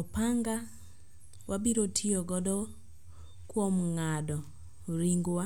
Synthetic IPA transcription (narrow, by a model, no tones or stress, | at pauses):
ɔpaŋɡa | wʔabiɾotʰiɔɡɔdɔ | kwomŋadɔ | ɾiŋɡwa